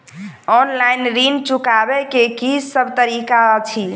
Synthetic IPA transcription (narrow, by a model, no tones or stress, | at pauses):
ɔnlajnɾint͡ʃukabɛkekisəbʱt̪əɾikat͡ʃʰi